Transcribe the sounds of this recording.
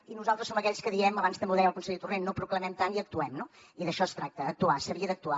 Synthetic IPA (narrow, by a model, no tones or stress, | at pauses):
inuzalˠt̪ɾəsːoməkɛʎskəðiɛməβanst̪əmbewðɛjəlˠkunseʎt̪urenːopɾukləmɛmt̪aniək̚t̪uɛmno | iðəʃɔst̪ɾak̚t̪əːk̚t̪uasəβiəd̪ək̚t̪ua